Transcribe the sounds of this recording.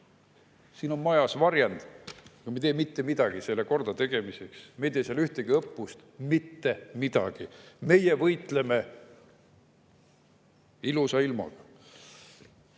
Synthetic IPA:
siːno̞nmɑjɑsvɑɾjɑnd̪̥ɑkɑmet̪eːmit̪ːe̞mid̪̥ɑɡ̥ise̞lːeko̞rd̪̥ɑt̪e̞ɡ̥e̞miseksmejt̪eːseɑlyht̪eɡ̥iɤpːust̪mit̪ːe̞mid̪̥ɑ̰ɡ̥ime̞jevɤjt̪ˑle̞me̞ | ilusɑilmɑ̰ɡ̥ɑ

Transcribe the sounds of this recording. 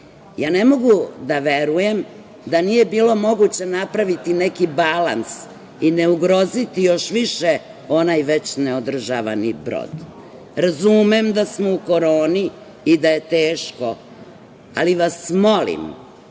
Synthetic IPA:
jaːne̞mo̞ɡud̪aʋeɾuje̞m | d̪anije̞biːlo̞mo̞ɡut͡ɕenapɾaʋit̪inekibala̰ns | ine̞uɡɾo̞zit̪ijo̞ʃʋiʃe | o̞najʋe̞t͡ɕneod̪r̩ʒaʋa̰nibɾo̞̰d̪ | ɾazumemd̪asmouko̞ɾoːniː | d̪aje̞t̪eːʃko | a̰liʋasmo̞lḭm

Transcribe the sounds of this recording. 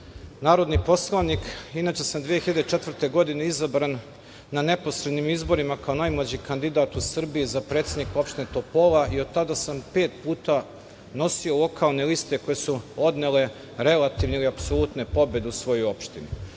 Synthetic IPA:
naːɾo̞d̪nipo̞slˠanikinaːt͡ʃe̞samd̪ʋijexiʎad̪eet͡ʃe̞t̪ʋrt̪e̞ɡo̞d̪ine̞izabɾanː | ane̞po̞sɾe̞d̪nimizbo̞ɾimakao̞najmlˠad͡ʑikand̪id̪aːt̪usr̩bijizapɾe̞t̪sʲe̞d̪niko̞pʃt̪inet̪o̞po̞laʔiod̪̚t̪ad̪asampe̞ːt̪puːt̪a | no̞siolˠo̞kʰalˠne̞list̪e̞ko̞je̞suo̞d̪nele̞ | ɾe̞lat̪iːʋneiliapsolˠut̪ne̞po̞be̞d̪eusʋo̞jojo̞pʃt̪inu

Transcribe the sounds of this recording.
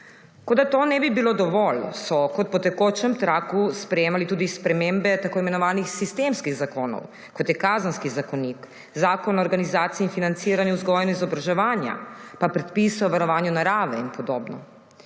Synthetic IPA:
kod̪at̪oːnɛbibilod̪ɔʋɔlsɔkɔt̪̚pɔt̪ɛkoːt͡ʃɛmt̪ɾaːkuspɾɛjeːmalit̪uːd̪ispɾɛmembɛt̪akoːimɛnɔʋaːnixsist̪eːmskiɣzakoːnɔ̰w | kɔt̪jɛkaːzənskizakɔnik | zaːkɔnɔːɾɡanizaːt̪siɛinfinant̪siːɾanjɛuzɡɔːjɛnizɔbɾaʒɛʋaːnja̰papɾɛt̪pisɛwʋaɾɔʋaːnjunaɾaːʋɛinpɔd̪oːbnɔ

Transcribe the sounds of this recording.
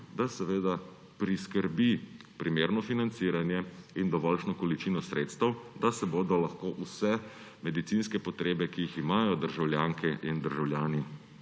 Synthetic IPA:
d̪asɛʋeːd̪a | pɾiskəɾbipɾimeːɾnɔfinant̪siːɾanjɛind̪ɔʋɔlʃnɔkɔlit͡ʃinɔsɾeːt̪st̪əwd̪asɛboːd̪ɔlaxkoːʔusɛ | mɛd̪it̪sinskɛpɔt̪ɾeːbɛkijiximaːjɔd̪əɾʒawljaːŋkɛʔind̪əɾʒawljaːni

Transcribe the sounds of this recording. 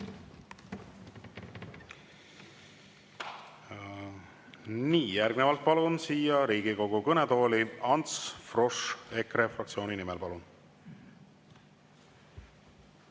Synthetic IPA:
niːjærɡnevɑlt̪̚pɑlunsiːjɑɾiːɡ̥iko̞ɡ̥ukɤnet̪o̞ːliɑnt̪sfro̞ʂe̞kɾefrɑkt̪sio̞ːnʲinimɛlpɑlun

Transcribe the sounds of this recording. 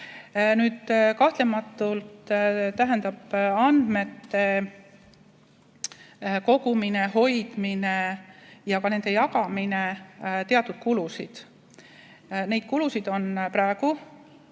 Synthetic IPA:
nyːd̪kɑht̪le̞mɑt̪ːˑult̪t̪æɦend̪ɑb̥ɑnd̪̥me̞t̪ːe̞ | ko̞ɡ̥umine̞ɦo̞jd̪̥minejɑkɑne̞nd̪̥e̞jɑkɑminet̪e̞ɑt̪ːˑud̪̥̚kulusid̪̥ | ne̞jd̪̥̚kulusid̪̥o̞npɾɑeɡ̥u

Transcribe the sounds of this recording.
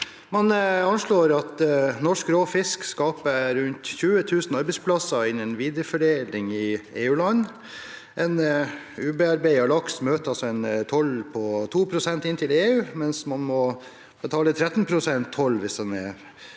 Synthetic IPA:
mɑnɑnʂɭoːɾɑt̪nɔʂkɾoːfɪskskɑːpəɾʉnt̪çʉːət̪ʰʉːsn̩ɑɾbɛɪspʰlɑsəɪnɛnʋiːd̪ɾəfœɖeːlɪŋɪeːʉːlɑnː | ʔɛn | ʉːbəɑɾbæɪɑlɑksmøːt̪əɑlsɔɛnt̪ʰɔlpʰɔt̪ʰuːpʰɾʊsɛnt̪ɪnt̪ʰɪleːʉːmɛnsmɑnmɔ | b̥ət̪ʰɑːlət̪ʰɾɛt̪n̩pʰɾʊsɛnt̪ʰːɔlːʋɪsd̪ɛnɛ̰

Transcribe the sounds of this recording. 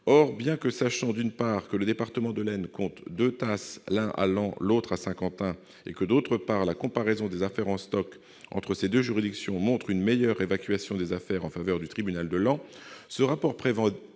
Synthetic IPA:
ɔʁbjɛ̃kəsaʃɑ̃d̪ynpaʁkələd̪epaʁt̪əmɑ̃d̪əlɛnkɔ̃t̪d̪øt̪aslɛ̃ʔa̰lɑ̃lot̪χasɛ̃kɑ̃t̪ɛ̃ | ḛkəd̪ot̪χəpaʁlakɔ̃paʁezɔ̃d̪ezafɛʁɑ̃st̪ɔk | ɑ̰̃t̪χəsed̪øʒyʁid̪iksjɔ̃mɔ̃t̪χynmejœʁevakʲɥasjɔ̃d̪ezafɛʁɑ̃favœʁd̪yt̪χibynald̪əlɑ̃səʁapɔʁpχevɑ̃

